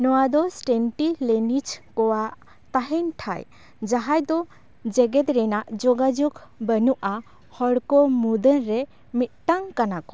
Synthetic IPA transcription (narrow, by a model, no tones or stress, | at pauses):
nɔwad̪ɔsʈɛnʈilɛnit͡ʃkɔwaʔ | t̪aɦɛnʈʰa̰j | d͡ʒaɦajd̪ɔ | d͡ʒɛɡɛt̪ɾɛnaʔd͡ʒɔɡad͡ʒuɡbənuʔa | hɔɽkɔmud̪ənɾɛ | mit̪̚ˀʈaŋkanakɔ̥